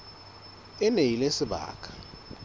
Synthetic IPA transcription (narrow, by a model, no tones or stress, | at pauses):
ɛnejilesiɓa̰ːkʼʰḁ